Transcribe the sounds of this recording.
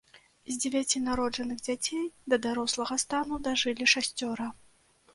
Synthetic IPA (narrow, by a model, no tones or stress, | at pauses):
zʲd͡zʲevʲat͡sʲinaɾɔd͡ʐɐnɨɣd͡zʲat͡sʲejd̪ɐd̪aɾɔslˠɐɣɐst̪anud̪aʐɨlʲiʂasʲt͡sʲɔɾɐ